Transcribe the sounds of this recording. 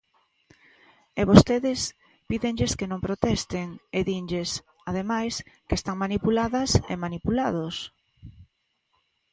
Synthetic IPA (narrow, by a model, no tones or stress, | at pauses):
eβost̪eðɪs | piðeŋʎeskenõmpɾot̪ɛst̪eŋeðinʎes | að̞emajskest̪aŋmanipulaðɐsḛmanipulað̞os